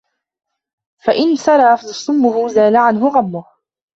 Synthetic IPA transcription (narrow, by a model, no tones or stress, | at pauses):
faʔɪnsɑɾˤɑːfzʊsˤʊmːʊɦʊzaːlaʕanɦʊɣamːʊh